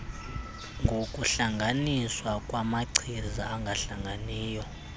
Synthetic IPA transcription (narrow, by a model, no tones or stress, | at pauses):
ŋɡʱokʼuɬaŋɡʱaniswakʼwamaǀʰizaaŋɡʱaɬaŋɡʱaniːjɔ